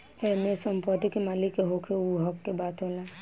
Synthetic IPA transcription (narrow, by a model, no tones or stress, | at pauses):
emesɔmpɔd̪ikemaːlikːeɦokʰeuɦɔkːebaːt̪ɦola